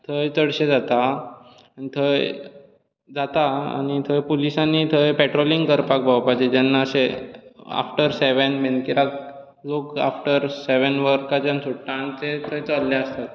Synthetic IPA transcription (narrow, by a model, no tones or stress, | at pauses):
t̪ʰəjt͡səɽɕed͡zat̪a | anit̪ʰəj | d͡zat̪aa̰ñit̪ʰəjpulisanːit̪ʰəjpɛʈɾoliŋɡkəɾpak̚bʱawpad͡ʑed͡ʑanːaəɕe | a̰fʈəɾseʋənbenkiɾak | loka̰fʈəɾseʋənʋəɾkat͡ɕjansuʈːãnt͡set̪ʰəjt͡salːjaəst̪at̪